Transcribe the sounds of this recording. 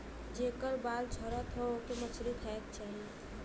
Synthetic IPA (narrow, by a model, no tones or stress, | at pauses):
d͡ʒekəɾbaːlt͡ʃʰɔɾat̪ʰooːkemət͡ʃʰlit̪ʰɛkt͡ʃaːɦi